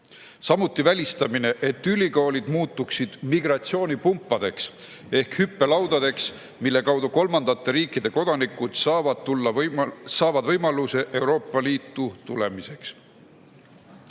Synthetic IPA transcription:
sɑmut̪ːˑivælʲist̪ɑmine̞ʔet̪ːylʲiko̞ːlid̪̥muːt̪ːˑuksid̪̥miɡrɑt̪sio̞ːnipumpˑːɑd̪̥e̞ks | e̞hkhypːe̞lɑwd̪ɑd̪̥e̞ks | milːe̞kɑwd̪uko̞lmɑnd̪̥ɑt̪ːe̞ɾiːkːid̪̥e̞ko̞d̪̥ɑnikud̪̥sɑːvɑd̪t̪ulːɑsɑːvɑd̪̥vɤjmɑluse̞ʔe̞wɾo̞ːpːˑɑliːt̪ːˑut̪ule̞mise̞ks

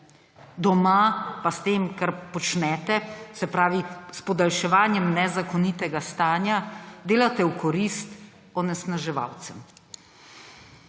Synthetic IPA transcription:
d̪ɔmapast̪eːmkaɾpɔt͡ʃnɛːt̪ɛsɛpɾaːʋispɔd̪alʃɛʋaːnjɛmnɛzakɔnit̪ɛɡast̪aːnjad̪eːlat̪ɛwkɔɾist̪ | ɔnɛsnaʒɛʋa̰ːwt̪sɛm

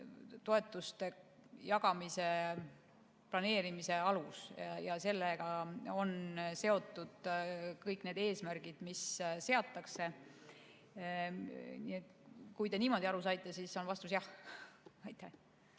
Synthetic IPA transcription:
t̪o̞e̞t̪ːˑust̪e̞ | jɑɡɑmise̞ | plɑne̞ːɾimise̞ɑlusjɑse̞lːeɡ̥ɑo̞nse̞o̞t̪ːˑud̪̥kɤjkːˑne̞ːd̪e̞ːsmærɡ̥id̪̥misse̞ɑt̪ːˑɑkse̞ | nḭːet̪kujt̪e̞niːmo̞d̪ʲiɑɾusɑjt̪ːˑesisːo̞nvɑst̪us̬jɑh | ɑjt̪ːˑæh

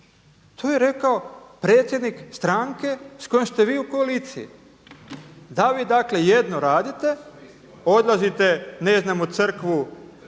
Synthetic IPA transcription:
t̪ʰoːjeɾe̞kaopɾe̞ːt̪sʲje̞d̪nikst̪ɾaŋke̞sko̞jomst̪e̞ʋiːuko̞aliːt̪sijḭ | d̪aʋiːd̪akle̞jed̪no̞ɾaːd̪it̪e̞ | o̞d̪lˠazit̪e̞neznamut̪sɨr̩kʋu

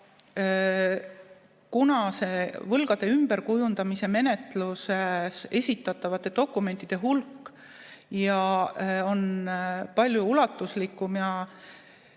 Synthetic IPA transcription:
kunɑse̞vɤlɡ̥ɑd̪̥e̞ymb̥e̞ɾkujund̪̥ɑmise̞me̞ne̞t̪lusese̞sʲit̪ːˑɑt̪ːˑɑvɑt̪ːˑe̞d̪̥o̞kːˑume̞nt̪ːˑid̪̥e̞ɦulkːˑ | jɑo̞npɑlʲjuulɑt̪ːˑuslikːˑumjɑ

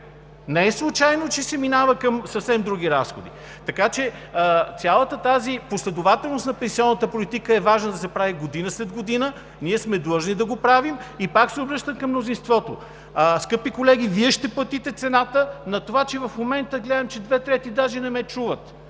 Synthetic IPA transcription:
nɛɛslˠut͡ʃajnot͡ʃɛsɛminavəkɐmsəfsɛmd̪ɾuɡ̟iɾasxod̪ḭ | t̪ɐkat͡ʃɛət̪sʲjalˠət̪ət̪aziposlɛd̪ovat̪ɛlˠnost̪nɐpɛnsiɔnːət̪əpolit̪ikəɛvaʒnəd̪ɐsɛpɾaviɡod̪inəslɛd̪ɡod̪inə | niɛsmɛd̪lˠɤʒnid̪ɐɡopɾavimipaksɛobɾɤʃt̪əmkɐmnozinst̪vɔt̪o̰ | skɤpikolɛɡ̟iviɛʃt̪ɛplˠɐt̪it̪ɛt̪sɛnat̪ənɐt̪ovat͡ʃɛvɐfmomɛnt̪əɡlɛd̪ɐmt͡ʃɛd̪vɛt̪ɾɛt̪id̪aʒɛnɛmɛt͡ʃuvət̪

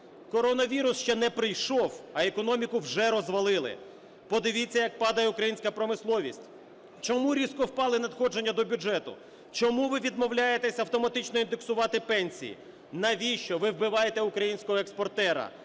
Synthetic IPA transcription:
kɔɾɔnɐʋʲiɾʊsʃt͡ʃɛnɛpɾɪjʃɔwɐekɔnɔmʲikʊwʒɛɾɔzʋɐlˠɪlˠɪ̰ | pɔd̪ɪʋʲit͡sʲːɐjɐk̚pɑd̪ɐjɛʊkɾɐjinʲsʲkɐpɾɔmɪslˠɔʋʲisʲtʲ | t͡ʃɔmuɾʲiskɔwpɑlˠɪnɐd̪xɔd͡ʒenʲːɐd̪ɔbʲʊd͡ʒɛt̪ʊ̰ | t͡ʃɔmuʋɪʋʲid̪mɔwlʲajet̪ɛsʲɐwt̪ɔmɐt̪ɪt͡ʃnɔind̪eksʊʋɑt̪ɪpɛnʲsʲḭjḭ | nɐʋʲiʃt͡ʃɔʋɪwbɪʋɑjet̪ɛʊkɾɐjinʲsʲkɔɦɔekspɔrt̪ɛɾɐ̰

